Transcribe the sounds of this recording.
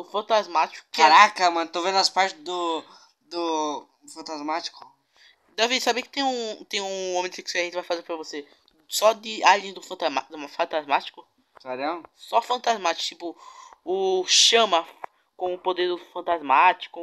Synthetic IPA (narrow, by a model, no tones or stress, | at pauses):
ʊfɐ̃nt̪azmat͡ʃi̥kʊkaɾakɐmɐ̃nʊt̪ovẽd̪ʊaspaɾt͡ʃ̪ɪzd̪ʊ | d̪ʊ | fɐ̃nt̪azmat͡ʃi̥kʊ̥ | d̪ɛvisabekɪt̪ẽj̃ũt̪ẽj̃ũõmẽkɪkɪseʒẽt̪ɪvajfazeɾpɾɐvose | sɔd̪ɪalẽj̃d̪ʊfɐ̃t̪amad̪mafɐ̃t̪azmat͡ʃi̥kʊ | sad̪ɐ̃wsɔfɐ̃nt̪azmat͡ʃi̥kʊ̥t̪ipʊʊʃɐ̃mɐ | kõʊpod̪eɾd̪ʊfɐ̃nt̪azmat͡ʃi̥kʊ